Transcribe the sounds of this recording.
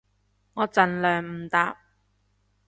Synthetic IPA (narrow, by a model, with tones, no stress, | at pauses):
ŋɔː˨˧t͡sɐ˨nlœː˨ŋm̩˨˩t̪aː˨˧p̚